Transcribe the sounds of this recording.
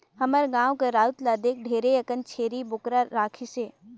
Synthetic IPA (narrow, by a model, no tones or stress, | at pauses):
hɐməɾɡãːʋwkeɾaːʊt̪laːd̪eːk̚ɖʱeːɾeɐkənt͡ʃʰeːɾibʊkɾaɾaːkʰiseː